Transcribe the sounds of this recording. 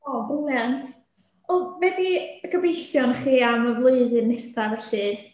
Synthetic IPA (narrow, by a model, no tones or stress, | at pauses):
ɔbəljantʰ | ɔvɛdiəɡəbejɬjɔnχiːaməvlˠuɨðɨnːɛstavɛɬɨ